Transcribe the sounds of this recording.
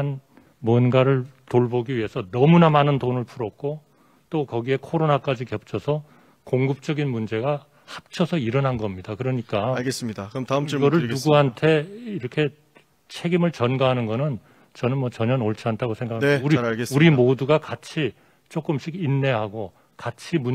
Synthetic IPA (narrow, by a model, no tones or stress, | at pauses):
an | muʌnɡaɾɯɭtoɭbʌɡiɥie̞sʰʌnʌmunamanɯndonɯɭpʰuɾʌk̚k͈o | t͈okʌɡie̞kʰoɾonak͈ad͡ʑikjʌp̚t͡ɕʰʌsʰʌ | koŋɡɯp̚t͡ɕ͈ʌɡinmund͡ʑe̞ɡa | hap̚t͡ɕʰʌsʰʌiɾʌnɦanɡʌmɲidakɯɾʌɲik͈aɡesdiɡʌɾɯɭnuɡuɦantʰe̞iɾʌkʰe̞ | t͡ɕʰe̞ɡimɯɭt͡ɕʌnɡaɦanɯnɡʌnɯn | t͡ɕʌnɯnmwʌt͡ɕʌɲʌnoɭt͡ɕʰiantʰaɡosʰe̞ŋɡakʰauɾisuɾimoduɡakat͡ɕʰi | t͡ɕ͈ok͈ɯmɕ͈ʰiɡinːe̞ɦaɡo | kat͡ɕʰimu